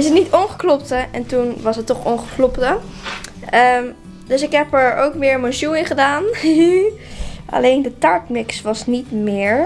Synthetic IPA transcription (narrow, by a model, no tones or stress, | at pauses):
ɪs̬ətnitɔnχə̥klɔp̚təɛ̰ntunʋɑsɦətːɔχɔnχəklɔptə | ə | dɵsɪkɦɛpəɹo̰wkmɪːɹmənʃuɪnχədaːn | ʔa̰lejndətɑɹknɪksʋɑsnitmɪːɹ